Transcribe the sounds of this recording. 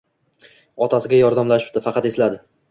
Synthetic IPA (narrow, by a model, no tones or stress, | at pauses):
ɒt̪ʰasɪɡʲajɒɾd̪amlaʃɪ̥p̚d̪ɪfɑqʰɑt̪e̞slad̪ɪ